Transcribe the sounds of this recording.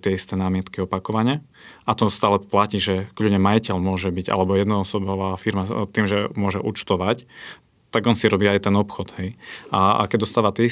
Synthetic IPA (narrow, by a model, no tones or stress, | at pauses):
t̪ɪɛist̪ɛnaːmɪɛt̪kiɔpakɔʋaɲɪɛ | at̪ɔst̪aːlɛplaciːʒɛkʎuɲɛmajicɛʎmʊɔʒɛbiɟa̰lɛbɔjɛd̪nɔɔsɔbɔʋaːfiɾmat̪iːmʒɛmʊɔʒɛʔṵt͡ʃt̪ɔʋac | t̪aɡɔnsiɾɔbiːajt̪ɛnɔpxɔd̪ɦɛja̰kɛɟd̪ɔst̪aːʋat̪ɪɛi